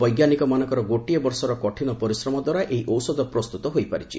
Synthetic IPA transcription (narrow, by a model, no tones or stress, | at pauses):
bɔjɡjanikɔmanɔ̃ŋkɔɾɔɡoʈiɔbɔɾsɔɾɔkɔʈʰinɔpɔɾisɾɔmɔd̪waɾaʔʔeɦiʔɔwsɔd̪ɔpɾɔst̪ut̪ɔɦojpaɾit͡ʃʰḭ